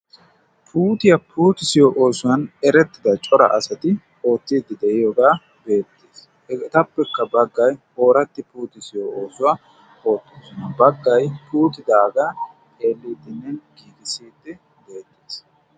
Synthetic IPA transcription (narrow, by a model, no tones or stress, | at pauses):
pʰuːt̪ɪjɐpʰuːt̪ɪsɪjoʔo̞ːsʊwɐnɛɾɛt̪ːɪd̪ɐt͡ʃʼɔɾɐ̰ʔɐsɐt̪ɪ | o̞ːt̪ːiːd̪ːɪd̪ɛʔɪjoːɡaː | be̞ːt̪ːes | t̪ɐpːɛkːɐbɐɡːɐjho̞ːɾɐt̪ːɪpuːt̪ɪsɪjooːsʊwɐ | ho̞ːt̪ːoːsʊnɐbɐɡːɐjpʰuːt̪ɪd̪aːɡaː | t̪ʼe̞ːlːiːd̪ːɪnːɛnkiːɡ̪ɪsiːd̪ːɪ | be̞ːt̪ːeːs